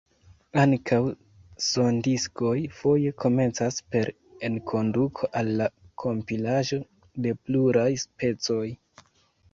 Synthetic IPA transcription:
aŋkʰaw | so̞ndisko̞jfo̞je̞kʰo̞me̞nt͡saspe̞ɾ | enkʰo̞ndukʰo̞ʔalːakʰo̞mpilaʒo̞ | de̞pluɾajspe̞t͡so̞j

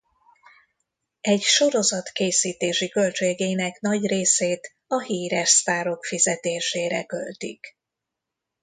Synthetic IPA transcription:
ɛɟʃo̞ɾo̞zɒt̪keːsiːt̪eːʃikø̞lt͡ʃeːɡeːnɛknɒɟreːseːt̪ | ɒhiːɾɛʃst̪aːɾo̞kfizɛt̪eːʃeːɾɛ̰kølt̪ik

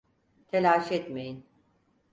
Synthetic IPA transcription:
t̪ʰelʲaːʃɛt̪mejin

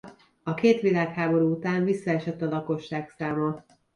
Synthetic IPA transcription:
ɒkeːt̪ʋilaːkhaːbo̞ɾuut̪aːɱvisːɒɛʃɛt̪ːɒlɒko̞ʃːaːksaːmɒ

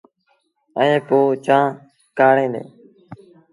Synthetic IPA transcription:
əẽːpoːt͡ʃãː | kaːɳẽːd̪ḛ̃ː

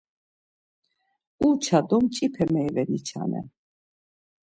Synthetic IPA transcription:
ut͡ʃʰad̪ɔmt͡ʃʼipʰɛmɛivɛnit͡ʃʰa̰nɛ̰

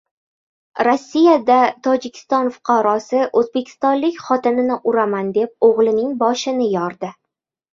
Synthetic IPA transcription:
ɾosːijad̪at̪ʰɒd͡ʒɪkʲʰɪ̥st̪ɒnfʊ̥qʰɑɾɒsɪʔɵzbekʲʰɪ̥st̪ɒnlɪkʲχɒt̪ɪnɪnɪʔʊɾamand̪e̞p̚oʁlˠɪnɪŋbɒʃɪnɪjɒɾd̪ɪ

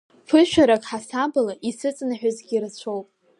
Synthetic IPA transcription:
fʰɨʃᶣaɾakʼħasabɨlaʔisɨt͡sʼnaħʷᶣʊzɡʲirat͡ɕʷʰo̞wpʼ

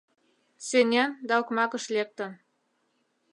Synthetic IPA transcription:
senʲænd̪ɑukmɑkə̆ʃlek̚t̪ə̆n

